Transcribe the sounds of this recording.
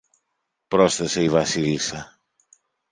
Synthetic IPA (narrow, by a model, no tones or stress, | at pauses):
pɾɔst̪ɐsejβasilsa